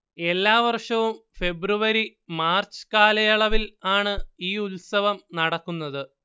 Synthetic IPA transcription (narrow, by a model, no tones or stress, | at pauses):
e̞lːaːʋɐrʂɐʋumfe̞bruʋɐɾi | maːrt͡ɕɨ̥kaːlɐjɐɭɐʋilaːɳɨiːulsɐʋɐmnɐɽɐkːunːɐðɨ